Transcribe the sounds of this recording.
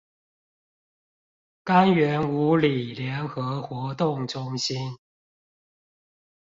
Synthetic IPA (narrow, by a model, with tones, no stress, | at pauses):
ka˦nɥɛ˨˦nu˨˥li˨˩ljɛ˨˧˥nxɤ˧˦xwɔ˧˥t̪ʊ˥˨ŋʈ͡ʂʊ˦ŋɕi˦n